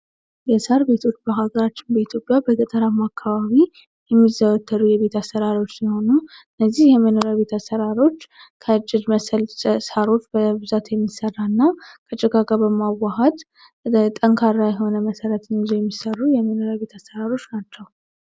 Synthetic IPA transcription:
jɛsəɾbe̞t̪ʰo̞t͡ʃːbəɦaɡəɾat͡ʃːɪnbəit̪ʰjo̞pʼjabəɡət̪ʼəɾamakʰːaβaβi | jɛmːizəwət̪ʰːəɾujɛβe̞t̪ʰasːəɾaɾo̞t͡ʃːsiho̞nuɨnːəzːihjɛməno̞ɾaβe̞t̪ʰasəɾaɾo̞t͡ʃːkʰət͡ʃʼːɪd͡ʒməsəlssaɾo̞t͡ʃːbəbɨzat̪jɛmːisərːaɨnːakʰət͡ʃʼɪɡaɡabəmawaɦət̪ | t̪ʼəŋkʰaɾːajɛɦo̞nəməsəɾət̪nzojɛmːisərːujɛməno̞ɾaβe̞t̪ʰasːəɾaɾo̞t͡ʃːnat͡ʃːɛw

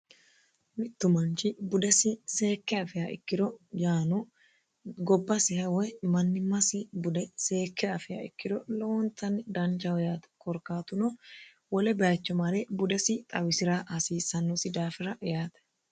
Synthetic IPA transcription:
mɪt̪ːʊmɐnt͡ʃɪbʊd̪ɛsɪse̞ːkːɛɐfɪjɐɪ̰kːɪd̪ɔjaːnɔ | ɡɔbːɐsɪhɐwɔmɐnːɪmɐsɪbʊd̪ɛse̞ːkːɛɐfɪjɐ̰ɪ̰kːɪd̪ɔloɔnt̪ʰɐnd̪ɐnt͡ʃɐwɔjaːt̪ɛ̥kɔɾkaːt̪ʊnɔ | wɔlɛbɛaːt͡ʃːɔmɐlɛbʊd̪ɛsɪt̪ʼɐwɪsɪɾaːhɐsiːsːɐnːɔsɪd̪aːfɪɾɐʔjaːt̪ɛ̥

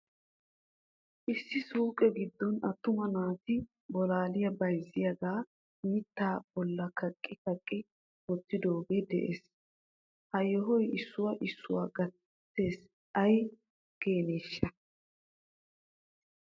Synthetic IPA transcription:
ʔɪsːɪsuːkʼɛɡɪd̪ːɔnɐt̪ːʊmɐnaːt̪ɪ | bɔlaːlɪjɐbɐjzɪjɐɡaː | mɪt̪ːaːb̥ɔlːɐkɐkʼːɪkɐkʼːɪ | wɔt̪ːɪd̪oːɡed̪ɛ̰ʔḛːs | hɐjːɔɦɔjɪsːʊwɐʔɪsːʊwaːɡɐ | t̪ːe̞ːs | ʔɐj | ke̞ːneːʃːɐ

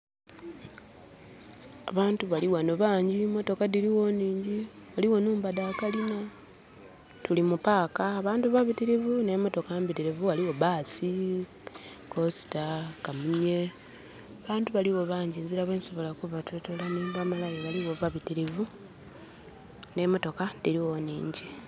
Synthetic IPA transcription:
a̰βaːntuβaliwanoβaːɲɟimo̞to̞kadiɾiwo̞niːɲɟiwaliwo̞nuːmbadaːkalina | tulimupaːkaːβaːntuβaβitiɾivunemo̞to̞kaambitiɾevuwaliwo̞βaːsi | kosi̥takamuɲe | aβaːntuβaliwo̞βaːɲɟinziɾaβweːnso̞βo̞lakuvatutolamiːndamalaleβaliwo̞βaβitiɾivu | ne̞mo̞to̞kadiɾiwonḭːɲɟi

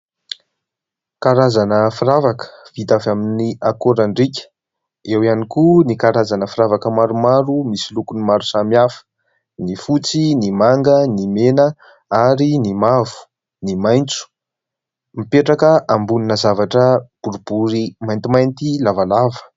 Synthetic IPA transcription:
kaɾazanəfiɾavakə̥v̥it̪avaminiakoɾaɳɖ͡ʐikʲə̥ | ewianikunikaɾazanəfiɾavakəmaɾumaɾumisilukunimaɾusamiafə̥ | nifut͡sinimaŋɡənimenə | aɾinimavu̥ | nimajnt͡su̥ | mipeʈ͡ʂakəʔambuninəzavaʈ͡ʂəb̥uɾub̥uɾimajnt̪imajnt̪ilavalavə̥

